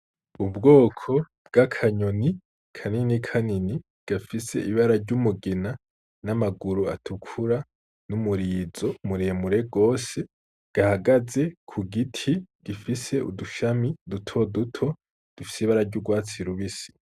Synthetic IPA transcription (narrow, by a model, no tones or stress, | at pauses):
ubɡo̞ːkʰo̞ | b̚ɡ̥akʰaɲoni | kʰaninikʰanini | ɡ̥afise̞̰ʔiβaɾaɾɟumuɡina | namaɡuɾua̰tʰukʰuɾa | numuɾiːzo̞muɾemuɾe̞ɡo̞ːse̞ | ɡ̥ahaɡaze̞kʰuɡitʰiɡ̥ifise̞ṵduʃamidutʰo̞dutʰo̞ | d̥ufi̥seiβaɾaɾɟuɡwaːt͡siɾuβisi̥